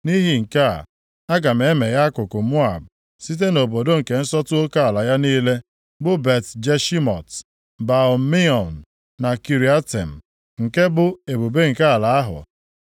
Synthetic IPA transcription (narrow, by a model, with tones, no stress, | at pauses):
ni˦ɦi˨ŋ̩˨ka˦˨ | a˦ɡa˨m̩˨e˨e˦me˨ja˦a˦kʊ˨kʊ˨mu˦a̰˨b̚ | si˦t̬e˦no˨bo˨do˦ŋ̩˨ke˨n̩˦sɔ˦tʊ˦o˦ka˦a˨la˨ja˦niː˦le˦ | bʊ˦be˨td͡ʒe˦ʃi˦mɔ̰˨t | ba˨ʊ˨mi˦ɔ˨nː˨ | a˨ki˨ɾi˨a˦tḛ˨m̩˨ | ŋ̩˨ke˦bʊ˦e˨bu˨be˦ŋ̩˨ka˦a˨la˨a˦ɦʊ̰˨